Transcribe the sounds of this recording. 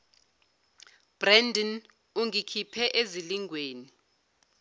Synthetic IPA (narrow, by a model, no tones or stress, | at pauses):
b̥rɛndin | uŋikʰipʰɛʔeziliŋʱweːni